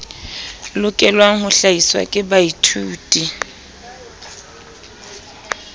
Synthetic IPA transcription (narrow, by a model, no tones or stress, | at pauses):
lʊkʼɛlwaŋ̩hʊɬaiswa̰kʼɪbaitʰuːtʼi